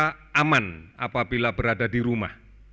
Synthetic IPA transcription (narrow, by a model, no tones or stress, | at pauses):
ʔamanʔa̰pabilabəɾadadiɾumah